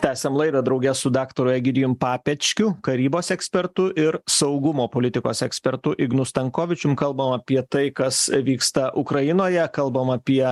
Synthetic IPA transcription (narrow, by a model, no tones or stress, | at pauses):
t̪ʲæːsʲɛmlˠɐɪd̪ɐd̪ɾɐʊɡʲɛsʊd̪ɑːkt̪oːɾʊjɛɡʲɪd̪ʲɪjʊmpɑːpʲɛt͡ʃʲkʲʊkɐɾʲiːboːsɛksʲpʲɛɾt̪ʊʔɪɾsɐʊɡʊmoːpoːlʲɪt̪ʲɪkoːsɛksʲpʲɛɾt̪ʊʔɪɡnʊst̪ɐŋkoːʋʲɪt͡ʃʲʊmkɐlˠbɐmɐpʲiɛt̪ɐɪkɐsʋʲiːkst̪ɐʔʊkɾɐjɪnoːjɛkɐlˠbɐmɐpʲiɛ